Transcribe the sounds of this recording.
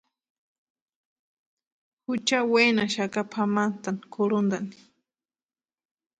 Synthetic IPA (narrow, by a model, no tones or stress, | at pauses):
hʊt͡ʃawenaʃakapʰamant̪ankʰʊɾʊnd̪ani̥